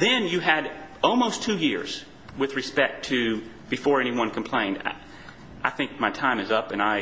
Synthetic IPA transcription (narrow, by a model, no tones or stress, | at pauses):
ðɨ̃njɨɨɾɔlˠmoʊstʰʉjɪɹz̥ | wɨðɹɨspɛk̚tʰɨ | b̥ɨfɔɹɛniwʌ̃nkʰm̩pʰl̥ẽɪ̃nda̰ | ʔaɪθɪ̃ŋk̚maɪtʰãɪ̃mɨzʌpɨ̃naɪ